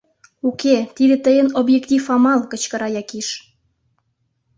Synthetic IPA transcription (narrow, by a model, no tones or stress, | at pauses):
uket̪id̪et̪əjənobjekt̪ʲifɑmɑlkət͡ɕkəɾɑjɑkiʃ